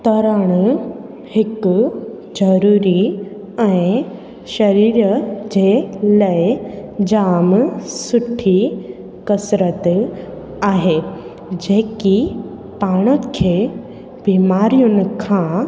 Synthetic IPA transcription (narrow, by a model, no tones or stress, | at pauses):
t̪ɐɾəɽ̃ | hɪk | d͡ʒɐɾuːɾi | ɛ̃ɪ̃ | ʃɐɾiːɾd͡ʒeːlɐed͡ʒaːmsʊʈʰːi | kɐsɾət̪ | aːɦeː | d͡ʒeːki | paːɽ̃əkʰːe | biːmaːɾijʊnkʰã